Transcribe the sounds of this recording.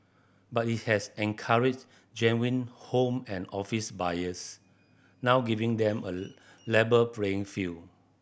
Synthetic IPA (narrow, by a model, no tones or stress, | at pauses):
bat̚it̚hɛsɛ̃nkʰaɹid͡ʒ | d͡ʒɛ̃nwĩnhõmɛ̃nɔfisbajəs | nawɡivĩŋdɛ̃mə | lɛbəpɹeĩŋfi